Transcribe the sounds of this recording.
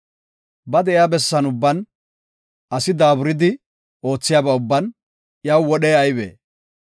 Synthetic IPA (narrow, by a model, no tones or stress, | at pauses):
bɐd̪ɛɪjabɛsːɐnʊbːɐn | ɐsɪd̪aːbʊɾɪd̪ɪ | o̞ːt͡sːɪjaːbɐʊbːɐn | jɐwwɔɗɛːɐjbḛː